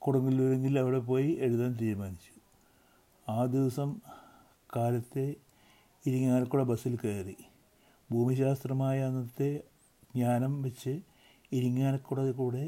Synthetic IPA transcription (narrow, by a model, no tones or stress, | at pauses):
kuɽɐŋːilːuɾeŋɡilɐʋiɽe̞p̬o̞ːjieɻuðaːnt̪iːɾumaːnit͡ɕːu̥ | aːd̪iʋɐsɐm | kaːlɐt̪ːe̞ | iɾuŋːaːnɐkːuɽebɐsilkeːri | bʱuːmiɕaːst̪rɐmaːjɐnːɐt̪ːe̞ | ɡɲaːnɐmʋɐt͡ɕːɨ | iɾiŋːaːnɐkːuɽɐkuːɽe̞